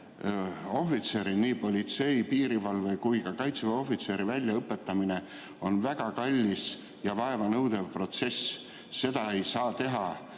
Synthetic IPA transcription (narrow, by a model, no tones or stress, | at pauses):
o̞fit̪se̞ɾiniːpo̞lʲit̪se̞jpiːɾivɑlvekujkɑkɑjt̪svɑo̞fit̪se̞ɾivælʲːjɑɤpːe̞t̪ːˑɑmine | o̞nvæɡ̥ɑkɑlʲːis | jɑvɑe̞vɑnɤwd̪̥e̞vpro̞t̪se̞s | se̞d̪̥ɑe̞jsɑːt̪e̞ɦɑ